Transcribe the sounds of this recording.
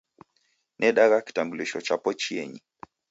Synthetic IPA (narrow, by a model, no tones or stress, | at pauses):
nʔɛɗaɣaki̥tambuliʃɔt͡ʃapɔt͡ʃiɛɲi